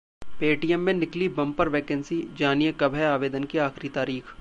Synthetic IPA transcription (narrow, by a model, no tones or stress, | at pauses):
peːʈijəmːẽnɪklibɐ̃mpəɾʋeːkɛ̃nsid͡ʒaːnijekɐbʱɦɛaːʋeːd̪ənkiaːxɾit̪aːɾiːx